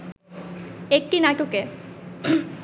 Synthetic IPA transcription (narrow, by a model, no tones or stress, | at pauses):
ek̚ʈinaʈuke